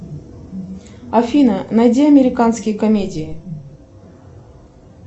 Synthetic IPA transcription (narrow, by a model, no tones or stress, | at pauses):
ɐfʲinənɐjdʲeɐmʲɪɾʲɪkanskʲɪjkɐmʲedʲɪjɪ